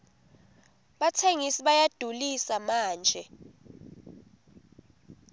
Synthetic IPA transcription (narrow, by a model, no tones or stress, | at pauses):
ɓatʰeŋisiɓajad̥ʱulisamaːnd͡ʒʱɛ